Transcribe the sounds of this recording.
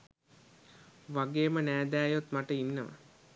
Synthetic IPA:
ʋaɡeːmənæːd̪æːjot̪maʈəinːəʋa̰

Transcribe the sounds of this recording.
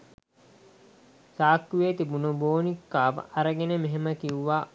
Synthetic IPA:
saːkːuʋeːt̪ibunuboːnikːaːʋə̰ʔaɾəɡenemeɦeməkiuʋaː

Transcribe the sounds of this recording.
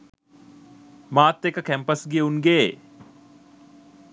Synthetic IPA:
maːt̪ːekəkæmpəsɡijəuŋɡeː

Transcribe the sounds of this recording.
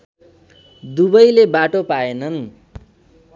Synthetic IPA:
d̪ubʌjlebaʈopaenʌn

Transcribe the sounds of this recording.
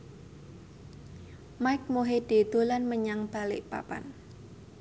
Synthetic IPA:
majk̚moɦed̥e̤d̪̥o̤lanməɲaŋb̥a̤lɪʔpa̰pa̰n

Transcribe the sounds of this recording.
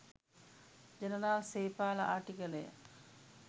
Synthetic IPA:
d͡ʒənəɾaːlseːpaːləʔaʈikələjə̰

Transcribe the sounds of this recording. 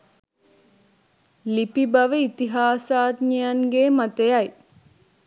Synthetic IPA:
lipibaʋəit̪iɦaːsaːd̪ɲəjaŋɡeːmat̪ejaj

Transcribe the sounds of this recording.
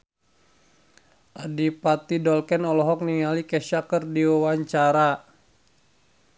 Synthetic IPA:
ʔadipat̪idɔlkɛnɔlɔɦɔk̚niŋalikɛʃakərdiawaɲt͡ʃaɾa

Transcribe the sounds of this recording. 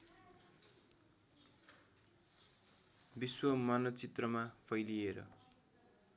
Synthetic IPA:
biswʌmanʌt͡sit̪rʌmapʰʌjlieɾʌ̰

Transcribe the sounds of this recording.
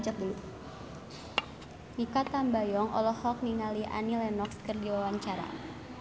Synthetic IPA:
d͡ʒat̚dulu | nikat̪ambajɔŋʔɔ̰lɔhɔk̚niŋaliʔa̰nilɛnɔkskərdiwawaɲt͡ʃaɾa̰

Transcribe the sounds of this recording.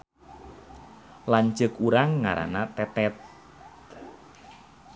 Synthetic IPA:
laɲt͡ʃəkuɾaŋːa̰ɾa̰nat̪ɛt̪ɛt̪̚

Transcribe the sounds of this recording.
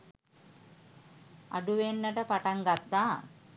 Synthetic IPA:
a̰ɖuʋenːəʈəpaʈaŋɡat̪ːaː

